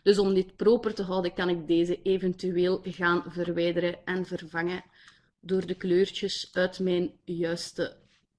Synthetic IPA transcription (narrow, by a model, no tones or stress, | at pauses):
d̥ɵsɔmdɪt̚proːpərtəɦɑwdəkɑnɪɡ̚deːzəʔeːvɛntyweːlˠɣaːnvərʋɛːjdəɾəʔɛnvərvɑŋə | doːrdəkløːrt͡ʃəsœːtmɛːnjœːstə